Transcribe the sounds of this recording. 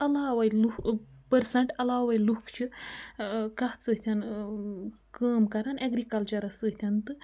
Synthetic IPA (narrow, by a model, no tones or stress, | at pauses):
ɐlaːʋɐjlupəɾsɐɳʈɐlaːʋɐjlukʰt͡ʃɨ | kaɦt͡səɦt̪ʰʲɐn | kəːmkɐɾanʔeɡɾikɐlt͡ʃɐɾɐsəɦt̪ʰʲant̪ɨ